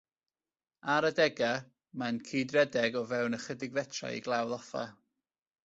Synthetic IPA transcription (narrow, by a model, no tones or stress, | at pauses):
aɾədɛɡa | mankʰiːdrɛdɛɡɔvɛwnəχədɪɡvɛtʰra̰ḭɡlˠawðɔfa̰